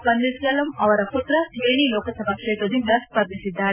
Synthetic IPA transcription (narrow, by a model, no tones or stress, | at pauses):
pɐnd̪iskɐːlɐmɐʋɐɾɐkut̪ɾɐʋeːnilɔːkɐsɐmɐkʂet̪od̪imlɐs̚pɐɾb̪isid̪ːaːɾ